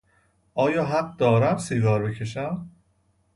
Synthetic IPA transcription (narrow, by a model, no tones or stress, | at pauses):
ʔɒːjɒːɦæɢ̚d̪ɒːɾæmsiɡɒːɾbe̞cʰe̞ʃ̬æm